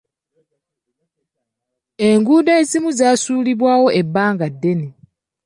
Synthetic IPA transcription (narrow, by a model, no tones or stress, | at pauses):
e̞ŋɡuːdaezimuzaːsuːliβwaːwo̞ʔe̞bːaːŋɡadːe̞ni